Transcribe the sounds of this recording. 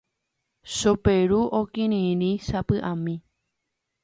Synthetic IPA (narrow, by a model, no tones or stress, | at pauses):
ʃopeɾuʔokĩɾ̃ĩɾĩʃapɨʔãmĩ